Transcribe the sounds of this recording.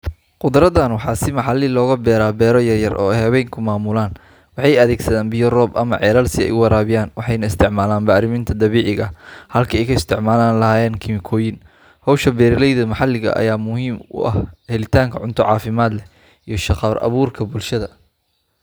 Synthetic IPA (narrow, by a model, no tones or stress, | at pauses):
qʊd̪ɾɐðɐnwɑħɑːsɪmɑħɑlɪlɔːɣɐbɛːɾaːbɛːɾɔjɐrjɐrʔɔ̰ːɛjhɐβɛjŋkʰʊmaːmʊlaːn | wɑħɑjɐðɛːɡsɐðaːnbɪjɔrɔːbɐ̰mɐʕɛːlɐlsɪɛ̰jʔʊwɑɾaːβɪjaːnwɑħɑjnɐɪst̪ʰɪʕmaːlaːnbaːɾɪmɪnt̪ʰɐd̪ɐβiːʕɪɣɐhɐlkʰɐɛjkʰɐɪst̪ʰɪʕmaːlaːnlɐɦaːjɛːnkʰɪmɪkʰɔːjɪn | hɔwʃɐbɛːɾɪlɛjðɐmɑħɑlɪɣɐ̰ʔɐ̰jaːmʊɦiːmʊ̰ʔɐ̰hhɛlɪt̪ʰaːŋkʰɐʕʊnt̪ʰɔʕɑːfɪmaːd̪lɛ | ijɞʃɑqɑɾɐ̰βuːrkʰɐbulʃɐðɐ